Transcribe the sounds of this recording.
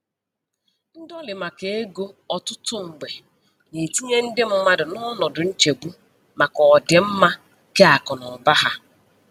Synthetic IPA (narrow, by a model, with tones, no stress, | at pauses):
n̩˦dɔ˦lɪ˨ma˨ke˨e˦ɡo˦ɔ˨tʊ˦tʊ˦ŋ̩˨ɡ͡be˨ | ne˨ti˦ɲe˦n̩˦dɪ˦m̩˦ma˦dʊ˨nɔ˦nɔ˨dʊ˨n̩˦t͡ʃe˨ɡ͡bu˦ | ma˨kɔ˨dɪ˨m̩˦ma˦ | ke˦a˨kɔ˨nɔ˨ba˦ɦa˦